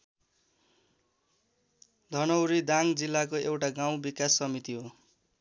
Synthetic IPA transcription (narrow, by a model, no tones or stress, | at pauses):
d̪ʱʌnʌwɾid̪aŋd͡zilːakoewʈaɡaw̃bikasːʌmit̪iɦo